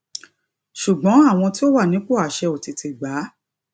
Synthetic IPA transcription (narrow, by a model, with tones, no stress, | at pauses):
ʃu˨ɡ͡bɔ̃˨˦a˦˨w̃ɔ̃˧ti˦o˦wa˦˨nĩ˨˦k͡po˦a˨ʃɛ˧o˨ti˨˧tʰi˧˨ɡ͡ba˨˦